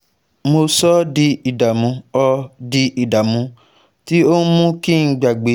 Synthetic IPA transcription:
mo˧sɔ˦di˧i˨da˨mũ˧ɔ˧di˧i˨da˨mũ˧ | ti˦o˦mũ˦ki˦˨n̩˧˦ɡ͡ba˨ɡ͡be˨

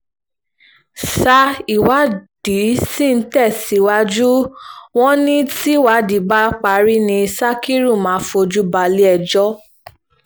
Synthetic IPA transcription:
sa˧i˨wa˨˦d̥i˨˦si˦˨n̩˦tɛ˦˨si˨˦˨wa˧˦d͡ʒu˦w̃ɔ̃˦nĩ˦ti˦˨wa˨˦di˨˦ba˦k͡pa˨˧˨ɾi˦nĩ˧sa˦ki˦ɾu˦˨mãː˨˦fo˧d͡ʒu˦ba˧li˦ɛ˧d͡ʒɔ˦

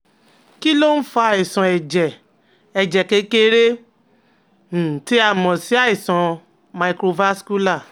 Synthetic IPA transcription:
ki˦lo˦n̩˦fa˦˧˨i˨sɔ̃˨ɛ˨d͡ʒɛ˨ | ɛ˨d͡ʒɛ˨ke˧˦ke˦ɾe˦˨ | ti˦a˦˨mɔ̃˨si˨˦a˦i˨sɔ̃˨ | ma˧˨kɾo˧va˦sku˦la˦˨

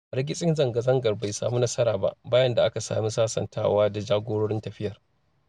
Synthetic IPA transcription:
ɾɐ˦ɡʲɪ˦sʼɪ˦nzɐ˨ŋɡɐ˨zɐ˦ŋɡɐ˨rba˨jsa̰ː˨mu˦nɐ˦sɐ˦ɾaː˨ba̰˦ʔbaː˦jɐ˦nda˨ʔa˦ka˨sa̰ː˨mi˦saː˦sɐ̰˨nta̰ː˦waː˦da˨d͡ʒaː˦ɡʷoː˦ɽoː˦ɽɪ˦ntɐ˨ɸɪ˦jɐ˨r

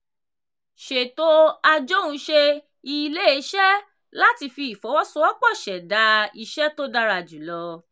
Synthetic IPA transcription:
ʃe˨to˦a˧d͡ʒo˦ũ˨˦ʃe˧ | i˧le˦i˨˧˦ʃɛ˦ | la˦ti˧fi˧i˨fɔ˨˦wɔ˦sɔ̃˦ɔ˦k͡pɔ˦˨ʃɛ˨da˨˦i˧ʃɛ˦to˦da˧ɾa˧˨d͡ʒu˨lɔ˧

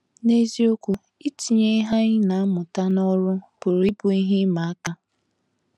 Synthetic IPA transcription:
ne˦zi˦o˦kʷu˦ | i˦ti˨ɲe˦i˦ɦa˦ɲɪ˦na˨a˦mʊ˨ta˦nɔ˦ɾʊ˦b̥ʊ˨ɾi˦bʊ˨i˦ɦi˦ma˨a˦ka˦

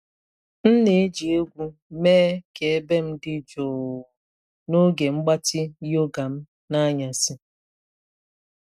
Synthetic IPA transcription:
n̩˦ne˨˦d͡ʒi˨e˦ɡʷu˦meː˦ke˨e˦be˦m̩˦dɪ˦d͡ʒoː˨ | no˦ɡe˨ŋ͡m̩˦ɡ͡ba˦tɪ˦jo˦ɡa˨m̩˦ | na˦ɲa˨sɪ˦

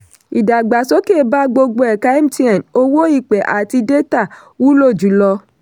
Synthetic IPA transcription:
i˨da˨ɡ͡ba˨so˦ke˦˨ba˦ɡ͡bo˧ɡ͡bo˧˦ɛ˨ka˦i˦m̩˦ti˦ã˨no˦wo˦i˦˨k͡pɛ˨ʔa˨ti˧de˦ta˦˨ | wu˦lo˦˨d͡ʒu˨˦lɔ˧

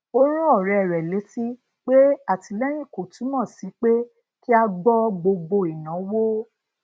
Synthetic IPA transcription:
o˦ɾ̃ɔ̃˦ɔ˦˨ɾɛ˧˨ɾɛ˨le˨˦si˦ | k͡pe˦a˦˨ti˧˦lɛ˦j̃ĩ˦˨ko˨tũ˨˦mã˦˨si˨˦k͡pe˦ | ki˦a˧ɡ͡bɔ˦ɡ͡bo˧ɡ͡bo˧i˨nã˨˦wo˦

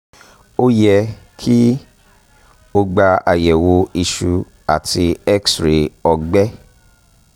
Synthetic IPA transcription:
o˦jɛ˧kʰi˦ | o˧ɡ͡ba˧a˨jɛ˨wo˧i˧ʃu˧ | a˨tʰi˧ɛ˦ksɾe˨ɔ˧ɡ͡bɛ˦

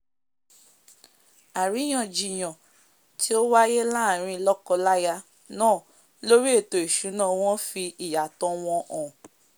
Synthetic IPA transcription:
a˨ɾi˨˦j̃ã˨d͡ʒi˨j̃ɔ̃˨ | ti˦o˦wa˦je˦la˦˨ɾ̃ĩ˧lɔ˦kɔ˧la˦ja˧ | nãː˦˨ | lo˦ɾi˦e˦˨to˨i˨ʃu˨˦nã˦˨w̃ɔ̃˦fi˧i˨ja˨tɔ̃˨˦w̃ɔ̃˧ʔɔ̃˨

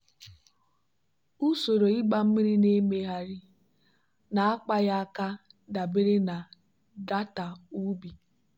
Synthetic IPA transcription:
u˦so˨ɾo˨i˦ɡ͡ba˦m̩˦mi˦ɾi˦ne˦me˦ɦa˦ɾi˦ | na˨a˦k͡pa˦ja˦a˦ka˦da˨be˦ɾe˦na˨ | da˦ta˨u˦bi˨

